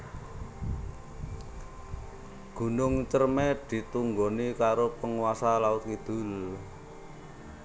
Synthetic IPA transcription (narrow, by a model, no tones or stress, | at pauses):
ɡ̥ṳnʊŋt͡ʃərmed̪̥i̤t̪uŋɡonikaɾopəŋwasalaʊt̪̚kid̪̥ʊ̤l